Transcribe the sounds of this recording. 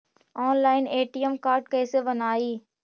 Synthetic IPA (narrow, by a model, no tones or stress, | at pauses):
ɔːnlaːɪneːʈijəmkaːɾʈ̚kɐ̃ɪseʋənaːiː